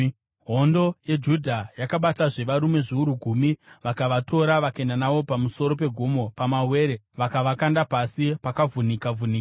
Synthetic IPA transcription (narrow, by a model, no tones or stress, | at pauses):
ɦo̞ndo̞jed͡ʒudʱajakaɓataʐe̞ʋaɾume̞ʐiuɾuɡʱumiʋakaʋato̞ɾaʋakaendanaʋo̞pamuso̞ɾo̞p̬e̞ɡʱomo̞pamawe̞ːɾe̞ | ʋakaʋakandapasipakavunikavunikaa